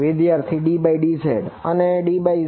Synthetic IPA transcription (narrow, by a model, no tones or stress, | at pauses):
ʋɪd̪jaɾt̪ʰiɖibaiɖisḛɖəneɖibai